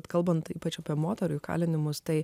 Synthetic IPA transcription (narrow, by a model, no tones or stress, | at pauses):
t̪kɐlˠbɐnt̪ḭːpɐt͡ʃɐpʲiɛmoːt̪ʲɛɾʊjkɑ̰ːlʲɪnʲɪmʊst̪ɐɪ